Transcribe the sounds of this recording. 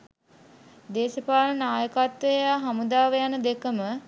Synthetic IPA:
d̪eːʃəpaːlənaːjəkat̪ʋəjaːɦamud̪aːʋəjanəd̪ekəmə

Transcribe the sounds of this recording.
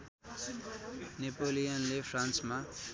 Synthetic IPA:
nepolijanlepʰrãnsma

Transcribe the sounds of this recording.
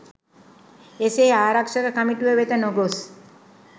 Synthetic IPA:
eseːaːɾakʂəɾəkəmiʈiʋəʋet̪ənoɡos

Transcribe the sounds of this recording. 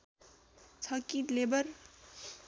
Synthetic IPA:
t͡sʰʌkĩʈlebʌr

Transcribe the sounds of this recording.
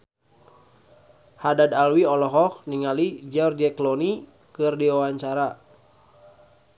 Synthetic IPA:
hadadalwiɔlɔɦɔk̚niŋalid͡ʒɔrd͡ʒɛklɔni | kɨrdiwawaɲt͡ʃaɾa

